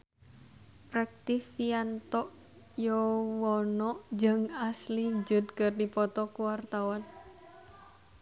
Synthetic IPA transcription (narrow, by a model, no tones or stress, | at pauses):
prɛk̚t̪ifiant̪ɔʔ | jɔwɔnɔʔd͡ʒəŋasliɲd͡ʒʊt̪̚kərdipɔt̪ɔkuwart̪awɔn